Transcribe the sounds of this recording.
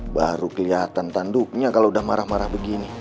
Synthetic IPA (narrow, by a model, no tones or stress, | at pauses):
baɾukəliat̪ant̪anduk̚ɲakaloudahmaɾahmaɾahbəɡini